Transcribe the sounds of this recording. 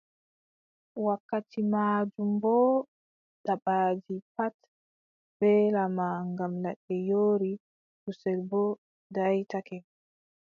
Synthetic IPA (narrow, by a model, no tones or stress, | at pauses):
wakːatimaːd͡ʒumbɔ | daɓaːd͡ʒipat | b̥ɛlamaŋɡamlɛɗːɛjoːɾi | kusɛlbɔ | dajtakɛ